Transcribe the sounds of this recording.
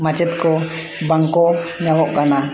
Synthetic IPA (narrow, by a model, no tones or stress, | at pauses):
mat͡ʃɛt̪kɔ | baŋkɔɲawɔʔkana